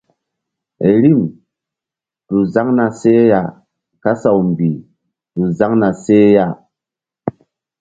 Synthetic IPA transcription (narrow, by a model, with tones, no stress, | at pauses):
e˨ɾi˦˨m | tu˨za˦ŋna˨se˦ja˦˨ | ka˦sa˨wmbi˨ | tu˨za˦ŋna˨se˦ja˦˨